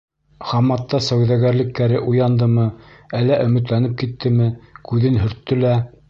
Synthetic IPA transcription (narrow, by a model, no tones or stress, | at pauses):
χɑmːɑt̪ːɑsæwðæɣæɾlɘ̆kːæɾɘʔujɑnd̪ɤmɤælːæʔɵ̆mɘ̆t̪̬lænɘp̚kit̪ːɘmɘkʉðɘnɦɵ̆ɾt̪ːɵlæ